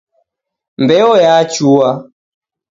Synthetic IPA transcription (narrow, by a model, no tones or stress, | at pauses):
mbɛɔjat͡ʃua